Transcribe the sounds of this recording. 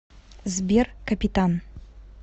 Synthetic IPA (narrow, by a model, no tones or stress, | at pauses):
zbʲerkɐpʲit̪an